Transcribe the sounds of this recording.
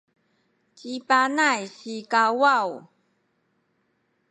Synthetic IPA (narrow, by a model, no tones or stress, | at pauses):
t͡ɕipanajsikawaw